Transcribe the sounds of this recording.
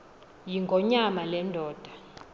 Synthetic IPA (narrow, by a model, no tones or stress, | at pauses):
jiŋɡʱɔɲamalɛndʱɔːd̥ʱḁ